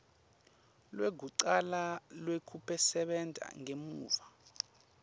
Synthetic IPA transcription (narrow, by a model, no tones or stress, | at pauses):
lweɡʱuǀalalwekʰupʰɛsɛɓɛntʼa̰ŋemuːva